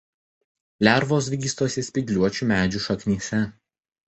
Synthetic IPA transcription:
lʲæɾʋoːsʋʲɪɡʲiːst̪oːsʲɪsʲpʲɪɡʲlʲuɔt͡ʃʲuˑmʲæːd͡ʒʲuˑʃɐknʲiɛsʲɛ

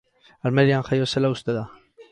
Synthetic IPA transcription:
almeɾianxajose̞laust̪eða

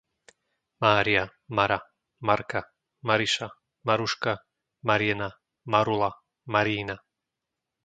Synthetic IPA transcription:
maːɾia | maɾa | maɾka | maɾiʃa | maɾuʃka | maɾiɛna | maɾula | maɾiːna

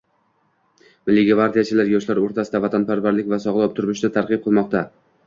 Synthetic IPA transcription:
mɪlːɪɡʲvaɾd̪ijat͡ʃʰɪlaɾjɒʃlaɾoɾt̪ʰasɪd̪avat̪ʰanpʰaɾvaɾlɪkʲvasɒʁlˠɒp̚t̪ʰʊɾmɪʃd̪at̪ʰaɾqɨp̚qʰɨlˠmɒq̚t̪a

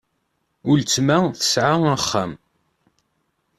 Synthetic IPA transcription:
ʊlt͡sːmaθə̥sʕaæχːa̰m

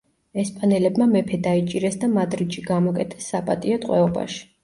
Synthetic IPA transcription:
ɛspʼanɛlɛbmamɛpʰɛd̪ait͡ʃʼiɾɛsd̪amad̪ɾiʃiɡamɔkʼɛt̪ʰɛ̥sːapʼat̪ʼiat̪ʼqʼwɛɔba̰ʃi̥

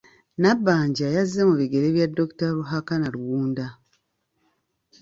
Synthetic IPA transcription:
nabːaːɲɟajazːemuβiɡe̞ɾeβjadːo̞ku̥taɾuɦakanaluwuːnda

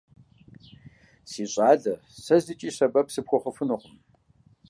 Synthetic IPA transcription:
siːɕʼaːɮɐ | sɐzɨt͡ʃʼiːɕɐbɐpsɨpxʷɔχəfɨnɨqʊm

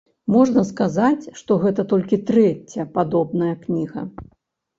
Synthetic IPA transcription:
mɔʐnɐskazat͡sʲʂt̪ɔɣɛt̪ɐt̪ɔlʲkʲit̪ɾɛt͡sʲːɐpad̪ɔbnɐjɐknʲiɣɐ̰

